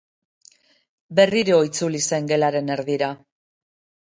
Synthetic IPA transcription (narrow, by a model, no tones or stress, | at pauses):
be̞riɾoit͡sulise̞ŋɡe̞laɾe̞ne̞ɾðiɾa